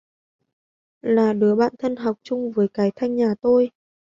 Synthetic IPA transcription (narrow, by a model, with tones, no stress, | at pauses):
laː˨˩ɗɨ˨˦əɓa̰ː˧˨nt̪ʰə˧nɦɔ˨˩wk͡p̚t͡ɕʊ˧ŋ͡mvəː˨˦jkaː˨˦jt̪ʰa˧jŋ̟ɲaː˨˩t̪o˧j